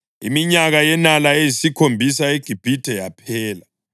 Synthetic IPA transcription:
ḭmiɲaɣajɛnalaejisikʰombʱisaeɡ̥ʱib̥ʱid̥ʱɛjapʰɛːla

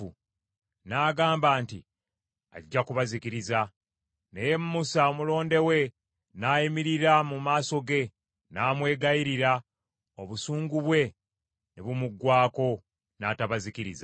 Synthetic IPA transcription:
u | naːɡaːmbaːntḭ | aɟːakuβazikiɾiza | nejemmusaomulo̞ːnde̞we̞ | naːjimiɾiɾamumaːso̞ɡe̞ | naːmwe̞ːɡaiɾiɾa | oβusuːŋɡuβwe̞ | neβumuɡːwaːko̞ | naːtaβazikiɾiza

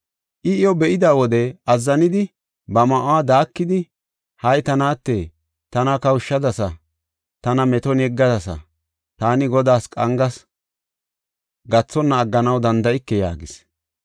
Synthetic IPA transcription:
ʔɪɪjɔbɛʔɪd̪aːwɔd̪ɛɐzːɐnɪd̪ɪ | bɐmɐʔwaːd̪aːkːɪd̪ɪ | hɐjt̪ɐnaːt̪ːeː | t̪ɐnɐkɐwʊʃːɐd̪ɐsɐ | t̪ɐnɐmɛt̪ɔnɛɡːɐd̪ɐsɐ̰ | t̪aːnɪɡɔd̪aːskʼɐŋɡɐs | ɡɐt͡sːɔnːɐːɡːɐnɐwd̪ɐnd̪ɐɪkːɛja̰ːɡɪs

